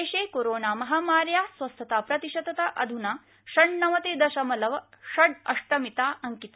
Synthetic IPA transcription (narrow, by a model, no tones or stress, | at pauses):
eʃeːkoɾoːnaːmɐɦaːmaːɾjaːsʋɐst̪ʰɐt̪aːpɾɐt̪iʃɐt̪ɐt̪ɐʔɐd̪ʱunaː | ʃɐɳnɐʋɐt̪eːd̪ɐʃɐmɐlɐʋɐʃɐɖɐ̰ʂʈɐmit̪aːɐŋkit̪